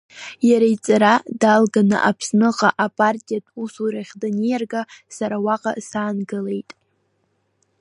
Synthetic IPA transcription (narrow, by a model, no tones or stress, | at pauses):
jaɾaijt͡sʼaɾadalɡanɨ̰ʔapʰsnɨqʼaʔapʼartʲʼijatʰʼusuɾaχʲdanejarɡasaɾawaqʼa̰saːnɡɨle̞jtʼ